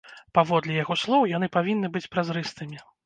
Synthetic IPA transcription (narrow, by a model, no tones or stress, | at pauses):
pavɔd̪lʲijaɣɔslˠɔwjanɨpavʲinːɨbɨt͡sʲpɾazɾɨst̪ɨmʲi